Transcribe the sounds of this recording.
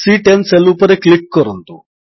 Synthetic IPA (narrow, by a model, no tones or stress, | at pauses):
siːʈenselupɐɾeklik̚kɔɾunt̪u